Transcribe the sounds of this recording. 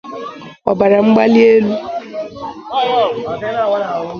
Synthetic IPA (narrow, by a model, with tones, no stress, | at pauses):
ɔ˨ba˨ɾa˨ŋ͡m̩˦ɡ͡ba˦li˦e˦lu˦